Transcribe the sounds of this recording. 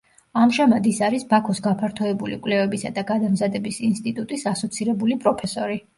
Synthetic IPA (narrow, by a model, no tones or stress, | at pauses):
amʃamad̪isaɾisbakʰɔsɡapʰaɾt̪ʰɔɛbulḭkʼlɛvɛbisad̪aɡad̪amzad̪ɛbisinst̪ʼit̪ʼut̪ʼisasɔt̪sʰiɾɛbulipʼɾɔpʰɛsɔɾi